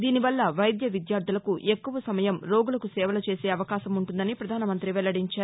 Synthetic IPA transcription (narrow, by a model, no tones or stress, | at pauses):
d̪iːniʋɐlːɐʋɐjd̪jɐʋid̪jaːɾd̪ʱulɐkuʔe̞kːuʋɐsɐmɐjɐmɾo̞ːɡulɐkusɛːʋɐlɐt͡ʃe̞ːseːɐʋɐkaːʃɐmuɳʈund̪ɐnipɾɐd̪ʱaːnɐmɐnt̪ɾiʋɛlːɐɽiɲt͡ʃaːɾu